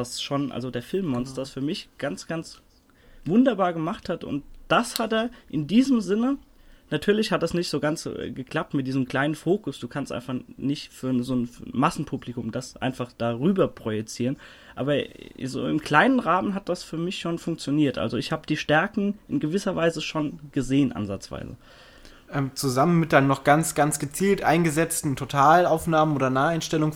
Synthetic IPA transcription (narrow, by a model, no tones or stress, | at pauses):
asʃoːnʔa̰lzodeːɐfɪlmːɔnstɐsfyːɐmɪçɡ̥ant͡sɡ̥ant͡s | vʊndɐbaːɐɡəmaχthatʔʊ̰nt̚d̥ashateːɐʔɪndiːzəmzɪnənatʰyːɐlɪçhat̚d̥asnɪçtz̥oːɡant͡sɛ̰ɡəkl̥ap̚tmɪt̚diːzəm̩kl̥aɪnənfoːkʊsd̥uːkʰa̰nstʔa̰ɪnfaχnɪçtfyːɐnzoːnfɐmasn̩pʰuplɪkʊmd̥asʔa̰ɪnfaχd̥aːʁyːbɐpʁ̥ojɛt͡siːʁən | ʔaːbɐzo̰ːɪmkl̥aɪnənʁaːmənɦat̚d̥asfyːɐmɪçʃoːnfʊŋk̚t͡sjoniːɐtʔa̰lzoɪçhaːbəd̥iːʃtɛɐkŋ̩ʔɪnɡəvɪsɐvaɪzəʃoːnɡ̥əzeːənʔa̰nza̰t͡sv̥a̰ɪzə̰ | ʔɛmt͡suzamənmɪt̚d̥aɪnənɔχɡ̥ant͡sɡ̥ant͡sɡ̥ət͡siːltʔaɪnɡəzɛt͡stn̩tʰotʰaːlaʊfnaːmənoːdɐnaːaɪnʃtɛlʊŋ